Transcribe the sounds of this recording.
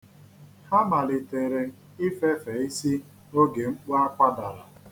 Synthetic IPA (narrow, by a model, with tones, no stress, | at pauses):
ha˦ma˨lɪ˨te˨ɾe˨ | ɪ˦fe˦fe˨˦i˦si˦ | o˦ɡe˨ŋ͡m̩˦k͡pu˦a˦kʷa˦da˨ɾa˨